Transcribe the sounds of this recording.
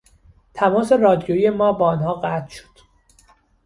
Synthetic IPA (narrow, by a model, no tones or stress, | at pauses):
t̪ʰæmɒːse̞rɒːd̪ijoijemɒːbɒːnhɒːɣæt̪ʰʃo̥d̪̥